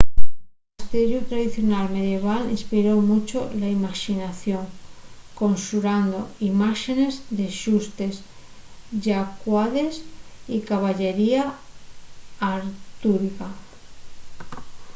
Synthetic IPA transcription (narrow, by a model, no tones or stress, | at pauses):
ast̪eɾjut̪ɾaðiθjonalme̞ðje̞β̞alḭnspiɾomut͡ʃolaimaʃinaθjo̞ŋko̞nsuɾand̪oimaʃene̞zðe̞ʃust̪e̞s | ʝakwaðe̞sikaβ̞aʎe̞ɾia | ɾt̪uɾika